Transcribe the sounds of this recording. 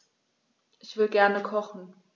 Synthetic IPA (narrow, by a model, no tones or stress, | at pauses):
ʔɪçv̥ɪəɡɛɐnəkʰɔχn̩